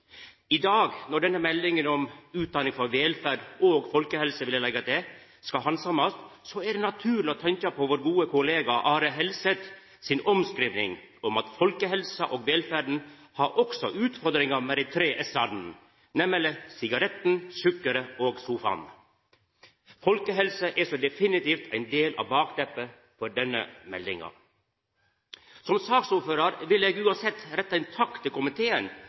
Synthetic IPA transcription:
ɪd̪ɑːɡnɔɖɛnːəmɛlːɪŋənɔmʉːt̪̚d̪ɑnɪŋfɔɾʋeːlfæɖoːɡfɔlkəhɛlsəʋɪljɛlɛɡɑd̪ɛ | skɑɦɑnsɑmɑst̪sɔæɖɛnɑt̪ʰʉːɾlɪɔt̪ʰɛɲkɑpʰoːʋoːɾɡuːəkʰʊleːɡɑʔɑːɾəɦɛlsət̪ | sɪnɔmskɾiːʋnɪ̰ŋ | ɔmɑt̪fɔlkəhɛlsəʔoːɡʋeːlfæɖɳ̩ | hɑɾʔɔksɔʔʉːt̪fɔɾd̪ɾɪŋɑmɛːd̪ɛɪt̪ʰɾeːʔɛsɑd̪n̩ | nɛmələsɪɡɑɾɛt̪n̩sʉkːəɾəoːɡsuːfɑ̰n | fɔlkəɦɛlsəʔæsɔd̪ɛfɪnɪt̪iːft̪ʰæɪnd̪eːlʔɑ̰ːʋbɑːkd̪ɛpːə | fɔɖɛnːə̰mɛ̰ld̪ɪŋɑ̰ | sɔmsɑːksuːɾføːɾɑɾʋɪleːɡʉːɑnsɛt̪ːɾɛt̪ːɑɪnt̪ʰɑkt̪ʰːɪlkʊmɪt̪ʰeːən

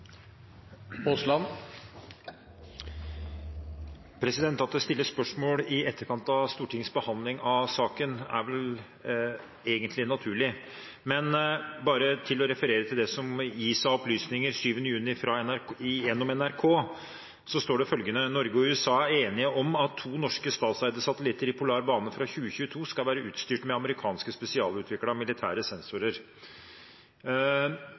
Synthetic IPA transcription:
ʊslɑn | pʰɾɛsɪd̪ɛnt̪ɑt̪̚d̪ɛst̪ɪlːəspœʂmoːlɪɛt̪ʰːəɾkʰɑnt̪ɑst̪uːʈʰɪŋsbəhɑnd̪lɪŋɑsɑːkənæ̰ɾʋɛl | eːɡənt̪lɪnɑt̪ʰʉːɭɪ | mɛnbɑːɾət̪ʰɪlːɔɾɛfəɾeːɾət̪ʰɪld̪ɛsɔmjiːsɑɔplyːsnɪŋəɾʂyːʋənəjʉːnɪfɾɑɛnæɾjɛnːɔmɛnæɾkʰoː | sɔst̪oːɖɛfœlɡənənɔɾɡəɔʉːɛsɑːæeːnɪəʔɔmɑt̪ʰːuːnɔʂkəst̪ɑːt̪sæɪd̪əsɑt̪əlɪt̪ːəɾɪpʰʊlɑːɾbɑːnəfɾɑçʉːəçʉːət̪ʰuːskɑlʋæːɾəʔʉːt̪st̪yːʈmɛɑməɾɪkʰɑːnskəspɛsɪɑːlʉːt̪ʋɪklɑmɪlɪt̪ʰæːɾəsɛnsʊɾəɾ

